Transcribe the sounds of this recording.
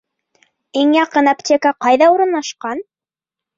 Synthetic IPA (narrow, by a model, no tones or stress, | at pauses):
iŋjɑqɤnɑptʲekaqɑjðɑuɾɤ̆nlˠɑʃqɑn